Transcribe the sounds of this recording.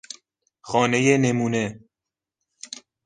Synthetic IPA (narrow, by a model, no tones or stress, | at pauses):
xɒːne̞jenemuːne̞